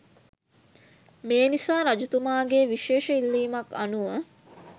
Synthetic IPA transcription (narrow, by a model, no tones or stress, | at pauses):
meːnisaːɾad͡ʒut̪umaːɡeːʋiʃeːʃəilːiːmakanuʋə